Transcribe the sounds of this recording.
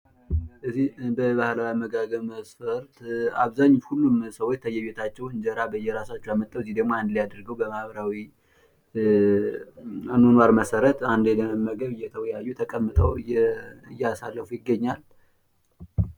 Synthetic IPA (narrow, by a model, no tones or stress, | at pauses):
ʔɨzibəβahlawiməɡaɡəβməsfəɾt̪a̰βzaɲːuhulːumsəwot͡ʃːt̪ʰəjːɛβet̪ʰat͡ʃːɛwɨɲd͡ʒəɾabəjːɛɾasat͡ʃːɛwjamət̪ʼːəwɨzːihd̪əɡmojand̪lijad̪əɾɡəwbəmahβəɾawi | anunwaɾməsəɾət̪and̪eləəmːəɡəβɨjːɛt̪ʰəwɔjajːut̪ʰəkʼəmːɨt̪ʼə̰wɨjɨjːɛasalːəfujɪɡːəɲːal